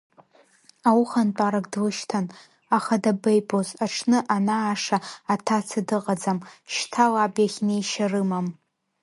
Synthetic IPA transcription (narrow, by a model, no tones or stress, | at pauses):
awuχantʷʼaɾaɡdlɨʃtʰan | aχadabejbʼozaʈ͡ʂʰnɨʔanaːʂaatʰat͡sʰadɨqʼad͡zamʃtʰalabjaχʲnejʃarɨmam